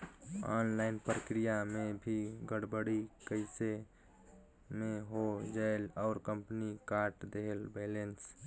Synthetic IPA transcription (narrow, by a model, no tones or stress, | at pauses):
ɔ̰ːnlaɪnpɾəkɾijamebʱiɡəɽbəɽikəɪse | meɦod͡ʒaelɔʊɾkəmpnikaɾʈd̪eɦelbelens